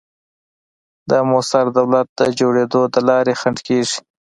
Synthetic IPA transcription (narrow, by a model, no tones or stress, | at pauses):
d̪əmʊsaɾd̪awlat̪̚d̪əd͡ʒoɽed̪od̪əlɑɾexaɳɖkeʐi̥